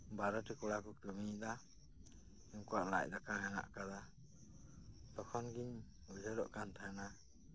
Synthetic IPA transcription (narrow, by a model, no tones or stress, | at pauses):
baɾɔʈikɔɽakɔkəmid̪a | ɛmkɔaʔlac̚ˀd̪akaɦɛna̰ʔkad̪a | t̪ɔkʰɔnɡiɲ | ud͡ʒəɾɔ̰ʔkant̪ʰaɛna